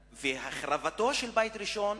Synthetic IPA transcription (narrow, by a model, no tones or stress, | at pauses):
vehaχɾavat̪o̞ʃelbajt̪ɾiʃo̞n